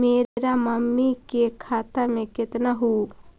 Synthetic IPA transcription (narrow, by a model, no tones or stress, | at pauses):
meːɾamɐmːikekʰaːt̪amẽkɪt̪naɦu